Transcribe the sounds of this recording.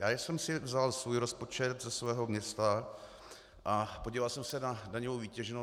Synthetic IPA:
jaːjsɛmsɪvzalsvuːjɾo̞spo̞t͡ʃɛt̪zɛsvɛːɦo̞mɲɛst̪a | ʔapoɟiːvalsɛmsɛnadaɲovowviːcɛʒno

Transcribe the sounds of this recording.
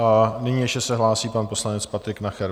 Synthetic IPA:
nɪɲiːjɛʃcɛsɛɦlaːsiːpanpo̞slanɛt͡spat̪ɾɪknaxɛɾ

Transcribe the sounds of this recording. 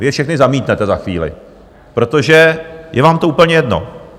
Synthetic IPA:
vɪɛfʃɛxnɪzamiːt̪nɛt̪ɛzaxʋiːlɪ̰ | pɾo̞t̪o̞ʒɛjɛvaːmt̪ouːpl̩ɲɛjɛdno̞̰

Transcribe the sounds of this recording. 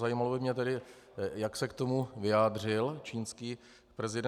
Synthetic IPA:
zajiːmalobɪmɲɛt̪ɛdɪ | jaksɛkt̪o̞muvɪaːdr̝ɪlt͡ʃiːnskiː | pɾɛzɪdɛ

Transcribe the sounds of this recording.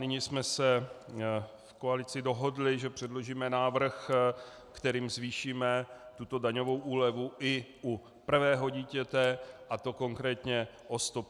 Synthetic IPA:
nɪɲismɛsɛ | fkoalɪt͡sɪdo̞ɦo̞dlɪʒɛpr̝̥ɛdlo̞ʒiːmɛnaːvr̩x | kt̪ɛɾiːmzviːʃiːmɛt̪ut̪o̞daɲo̞vo̞wʔuːlɛvuʔɪʔu | pr̩vɛːɦo̞ɟiːcɛt̪ɛʔat̪o̞ko̞ŋkɾɛːt̪ɲɛ | ʔost̪op

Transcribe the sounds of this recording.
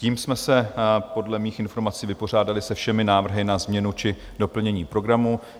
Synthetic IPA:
ciːmsmɛsɛpo̞dlɛmiːxɪnfo̞ɾmat͡siːvɪpo̞r̝aːdalɪsɛfʃɛmɪnaːvr̩ɦɪnazmɲɛnut͡ʃɪ | do̞pl̩ɲɛɲiːpɾo̞ɡɾamu

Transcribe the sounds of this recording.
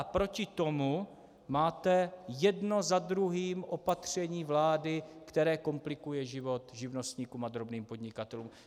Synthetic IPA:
apɾo̞cɪt̪o̞mu | maːt̪ɛjɛdno̞zad̪ɾuɦiːmʔo̞pat̪r̝̥ɛɲiːvlaːdɪkt̪ɛɾɛːko̞mplɪkujɛʒɪvo̞t̪ʒɪvno̞st̪ɲiːkuːmad̪ɾobniːmpo̞d̪ɲɪkat̪ɛluːm

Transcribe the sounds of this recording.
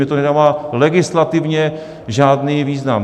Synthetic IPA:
ɪt̪onɛdamaːlɛɡɪslat̪ɪvɲɛ | ʒaːdniːviːznam

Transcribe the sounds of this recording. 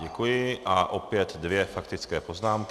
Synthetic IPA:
ɛkujɪʔaʔo̞pjɛt̪dvjɛfakt̪ɪt͡skɛːpo̞znaːmk

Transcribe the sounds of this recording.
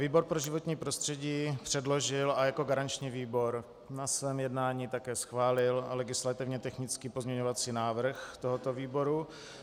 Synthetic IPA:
viːbo̞ɾpɾoʒɪvo̞t̪ɲiːpɾo̞st̪r̥ɛɟiːpr̝̥ɛdlo̞ʒɪlajako̞ɡaɾant͡ʃɲiːviːbo̞ɾ | nasvɛːmjɛdnaːɲiːt̪akɛːsxvaːlɪllɛɡɪslat̪ɪvɲɛt̪ɛxnɪt͡skiːpo̞zɲɛɲovat͡siːnaːvr̩xt̪o̞ɦot̪o̞viːbo̞ɾu

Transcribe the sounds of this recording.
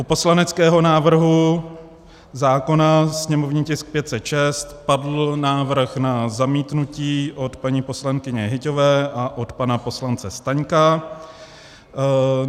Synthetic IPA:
ʔupo̞slanɛt͡skɛːɦo̞naːvr̩ɦu | zaːko̞nasɲɛmo̞vɲiːcɪsk̚pjɛt̪sɛt̪ʃɛst̪padl̩naːvr̩xnazamiːt̪nuciːʔo̞t̪paɲiːpo̞slaŋkɪɲɛɦɪco̞vɛːʔaʔo̞t̪panapo̞slant͡sɛst̪aɲka

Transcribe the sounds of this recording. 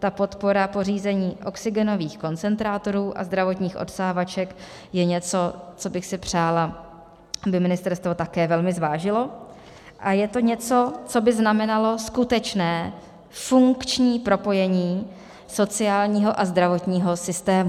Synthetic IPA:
t̪apo̞t̪po̞ɾapo̞riːzɛɲiːʔo̞ksɪɡɛno̞viːxko̞nt͡sɛnt̪ɾaːt̪o̞ɾuːʔa̰zd̪ɾavo̞t̪ɲiːxʔo̞̰tsaːvat͡ʃɛk | jɛɲɛt͡so̞t͡so̞bɪxsɪpr̝̥aːla | bɪmɪnɪst̪ɛɾst̪vo̞t̪akɛːvɛlmɪzvaːʒɪlo̞ | ʔajɛt̪o̞ɲɛt͡so̞t͡so̞bɪznamɛnalo̞skut̪ɛt͡ʃnɛː | fuŋkt͡ʃɲiːpɾo̞po̞jɛɲiː | so̞t͡sɪaːlɲiːɦo̞ʔazd̪ɾavo̞t̪ɲiːɦo̞sɪst̪ɛːmu

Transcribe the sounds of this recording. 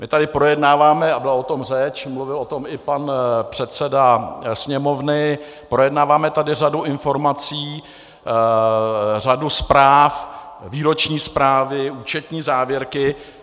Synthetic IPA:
mɪt̪adɪpɾojɛdnaːvaːmɛabɪlaot̪o̞mrɛt͡ʃmluvɪlo̞t̪o̞mɪpanpr̥ɛt̪t͡sɛdasɲɛmovnɪ | pɾo̞jɛdnaːvaːmɛt̪adɪraduʔɪnfo̞ɾmat͡siː | r̝aduspɾaːf | viːɾo̞t͡ʃɲiːspɾaːvɪuːt͡ʃɛt̪ɲiːzaːvjɛɾkɪ

